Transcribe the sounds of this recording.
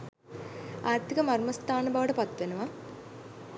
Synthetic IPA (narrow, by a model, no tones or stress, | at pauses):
aːrt̪ʰikəmɐrmɐst̪ʰaːnəbaʋəʈəpat̪ːʋenuʋɐ